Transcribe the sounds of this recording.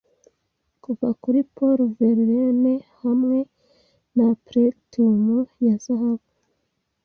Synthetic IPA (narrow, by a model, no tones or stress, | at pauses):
kuvakuɾipoɾveɾɾenehamŋe̞ | napɾetomujazahaβu